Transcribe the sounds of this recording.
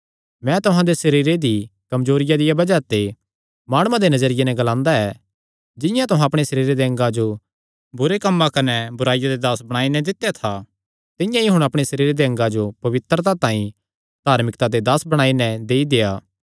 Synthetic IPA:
mɛ̃t̪ʊɦãd̪esɐɾiːɾed̪ikɐmd͡ʒoːɾɪjad̪ɪjabɐd͡ʒat̪e | maːɽ̃ʊãd̪enɐd͡ʒəɾɪjenɛ̃ɡɐlãːnd̪aɛ | d͡ʒɪ̃jãt̪ʊɦãɐpɽ̃esɐɾiːɾed̪eɐ̃ŋɡãd͡ʒo | bʊɾekɐmːãkɐnɛbʊɾaːɪjad̪ed̪aːsbɐɽ̃aːinɛ̃d̪ɪt̪ːejat̪ʰa | t̪ɪ̃jãiɦʊɽ̃ɐpɽ̃esɐɾiːɾed̪eɐ̃ŋɡad͡ʒopɐʋɪt̪ːɾt̪at̪ãːĩ | d̪ʱaːɾmɪkt̪ad̪ed̪aːsbɐɽ̃aːinɛ̃d̪eːid̪eːaː

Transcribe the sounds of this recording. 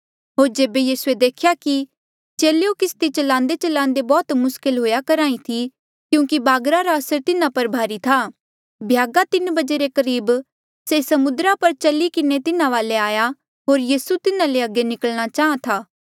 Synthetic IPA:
ɦoːɾd͡ʒeːbejiːsued̪eːkʰjaki | t͡ʃeːlejokɪst̪it͡ʃɐlãːnd̪et͡ʃɐlãːnd̪ebɔːt̪mʊskɪlɦoːjakɐɾãːĩt̪ʰi | kjũːkibaːɡɾaɾaɐsəɾt̪ɪnãpɐɾbʱaːɾit̪ʰaː | bʱjaːɡat̪ɪnbɐd͡ʒeɾekɐɾiːb | sesɐmʊd̪ɾapɐɾt͡ʃɐlikɪnet̪ɪnãʋaːleaːja | ɦoːɾjiːsut̪ɪnãleɐɡːenɪkəlɽ̃at͡ʃaːɦãt̪ʰaː

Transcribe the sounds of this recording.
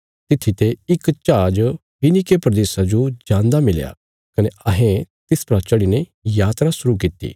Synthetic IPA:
t̪ɪt̪ʰːit̪eɪkt͡ʃaːd͡ʒ | pɪnikepɾɐd̪eːsad͡ʒod͡ʒãːnd̪amɪlja̰ | kɐneɐɦẽt̪ɪspɾat͡ʃɐɽinejaːt̪ɾasʊɾuk̬it̪ːḭː

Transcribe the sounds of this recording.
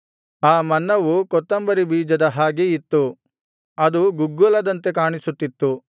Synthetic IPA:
aːmɐnːɐʋukɔt̪ːɐmbɐɾibiːd͡ʒɐd̪ɐɦaːɡeit̪ːu | ɐd̪uɡuɡːulɐd̪ɐnt̪e̞kaːɳisut̪ːit̪ːu

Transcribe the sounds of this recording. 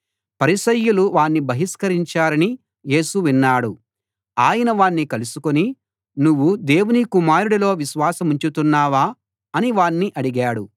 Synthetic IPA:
pɐɾisɐjːuluʋaːɳːibʱɐɦiskɐɾiɲt͡ʃaːɾɐni | je̞ːsuʋinːaːɽu | aːjɐnɐʋaːɳːikɐlusukoni | nuʋːud̪e̞ːwunikumaːɾuɽɐlo̞ːʋiʃʋaːsɐmuɲt͡ʃut̪unːaːʋaː | ɐniʋaːɳːiʔɐɽiɡaːɽu

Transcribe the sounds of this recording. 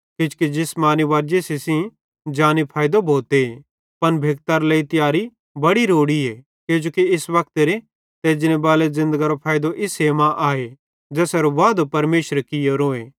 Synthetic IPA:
kɪt͡ʃkid͡ʒɪsmaːniʋaːɾd͡ʒesesĩ | d͡ʒaːnipʰaːjd̪obʱoːt̪e | pɐnbʱeːk̚t̪aɾleit̪ɪjaːɾi | bɐɽiɾoːɽie | keːd͡ʒoːkiɪsbɐk̚t̪eɾe | t̪eːd͡ʒɪnebaːlezɪ̃nd̪əɡaɾopʰaːjd̪oʔɪseːmãʔaːe | d͡ʒɛːsɛɾoʋaːd̪opɐɾmeːʃəɾkɪjoɾoːeː

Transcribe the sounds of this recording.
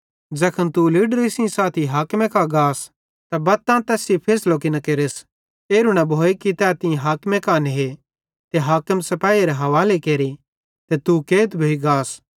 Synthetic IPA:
d͡ʒɛːkʰənt̪uliɖɾesĩsaːt̪ʰiɦaːkmẽkaɡaːs | t̪abɐt̪ːãt̪ɛːsipʰeːsloːkinɐkeːɾes | eːɾuñabʱoːekit̪ɛt̪ɪ̃ɦaːkmẽkaːnɦe | t̪eɦaːkəmsɐpaːiɾeɦɐʋaːlekeːɾi | t̪et̪ukeːt̪bʱoiɡaːs

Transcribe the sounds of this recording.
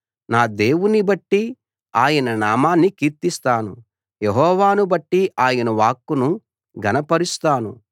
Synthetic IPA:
naːd̪e̞ːwunibɐʈːi | aːjɐnɐnaːmaːnːikiːɾt̪ist̪aːnṵ | jeɦɔːʋaːnubɐʈːiʔaːjɐnɐʋaːkːunu | ɡʱɐnɐpɐɾist̪aːnṵ

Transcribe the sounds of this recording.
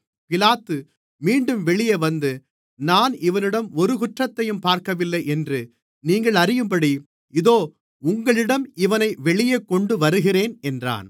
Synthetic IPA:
pɪlaːt̪ːɯ | miːɳɖɯmʋɛɭɪjɐʋɐnd̪ɯ | naːnɪʋɐnɪɽɐmɔɾɯkʊʈrɐt̪ːɐjɯmpaːɾkɐʋɪlːɐɪʔɛndrɯ | niːŋɡɐɭɐɾɪjɯmbɐɽi | ɪðoː | ʊŋɡɐɭɪɽɐmɪʋɐnɐɪʋɛɭɪjɐkːɔɳɖɯʋɐɾɯɣɪreːnɛndra̰ːn

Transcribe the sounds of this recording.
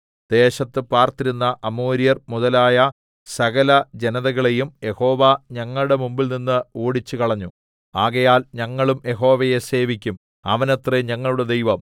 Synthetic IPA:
d̪̥e̞ːɕɐt̪ːɨpaːrt̪iɾunːɐʔɐmoːɾijɐrmuðɐlaːjɐ | sɐɣɐlɐd͡ʑenɐðɐɣɐɭe̞jumje̞ho̞ːʋɐɲɐŋːɐɭuɽe̞mumbilninːɨoːɽit͡ɕːukɐɭɐɲːu | aːɣɐjaːlɲɐŋːɐɭumje̞ɦo̞ːʋɐjese̞ːʋikʲːum | ɐ̰ʋɐnet̪reɲɐŋːɐɭuɽed̪ejʋɐm

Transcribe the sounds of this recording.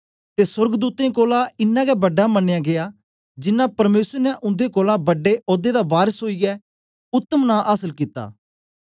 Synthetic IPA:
t̪esʊɾɡəd̪uːt̪ẽkoːlaɪnːãːɡɛbɐɖːamɐnːejãːɡɪjaː | d͡ʒɪnːãpɐɾmeːsəɾnɛʔʊ̃nd̪ekɔːlãbɐɖeʔɔːd̪ed̪abaːɾəsɦoːiɛ | ʊt̪ːəmnãʔaːsəlkiːt̪a̰ː

